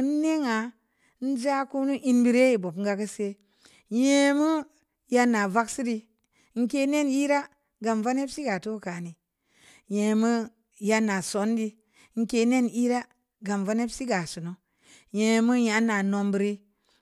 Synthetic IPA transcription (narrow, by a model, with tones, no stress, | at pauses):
n˦ne˦ŋa˨˦ | n̩˦d͡ʒa˦ku˦nu˦ʔi˦nbi˦ɾe˦ji˨bo˨pŋ˦ɡa˧˦kə˦se˦ | je˦mu˦ | ja˧na˨va˦ksi˦di˧˦ | ŋ̩˦ke˦ne˦ni˦ɾa˦ | ɡa˨mva˦ne˦psi˦ɡa˨to˦˨ka˨ni˨ | je˨mu˦ | ja˧na˨so˨˦ndi˦ | ŋ̩˦ke˧ne˦ni˦ɾa˦ | ɡa˨mva˦ne˦bsi˦ɡa˨su˨no˨ | je˨˧mu˦ja˨˦na˨no˨mbi˨ɾi˦